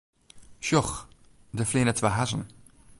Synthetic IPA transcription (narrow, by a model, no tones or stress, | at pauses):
ʃʊχ | dəfleːnət͡svaɦaʃn̩